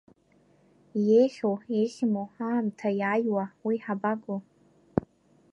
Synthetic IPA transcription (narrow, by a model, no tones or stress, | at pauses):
jejχʲowejχʲmoaːmtʰajajwawiħabaɡo